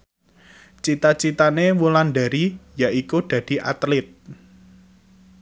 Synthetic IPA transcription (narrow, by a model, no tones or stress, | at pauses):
t͡ʃit̪at͡ʃit̪anewulanɖ̪a̤ɾijaʔikud̥ä̤d̪̥i̤ʔa̰t̪lɪt̪̚